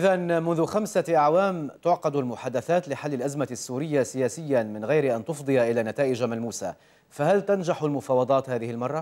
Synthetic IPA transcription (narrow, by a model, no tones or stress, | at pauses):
ʔɪðanmʊnðʊxamsaʔaʕwaːmt̪ʊʕqɑd̪almʊħaːd̪aθaːt̪lɪħalːɪlʔazmasːuːɾɪjːasɪjaːsɪjːamɪnɣajɾɪʔant̪ʊfd̪ˤɨjaʔɪlaːnat̪aːʔɪd͡ʒamalmuːsa̰ | faɦalt̪and͡ʒaħalmʊfɑːwɑd̪ˤɑːt̪haːðɪhɪlmɑrˤːɑ